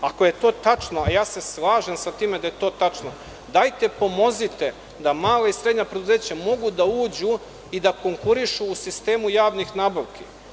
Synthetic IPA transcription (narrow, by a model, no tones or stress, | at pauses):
ako̞je̞t̪o̞ːt̪at͡ʃno̞ajaːse̞slˠaːʒe̞msat̪iːmed̪ajet̪o̞ːt̪at͡ʂno | d̪ajt̪e̞po̞mo̞zit̪e̞ | d̪amaːlaisɾed̪ɲapɾed̪uze̞ːt͡ɕamo̞ɡud̪auːd͡ʑu | id̪ako̞ŋkuɾiʃuːsist̪e̞ːmujaːʋnixnaːbaʋki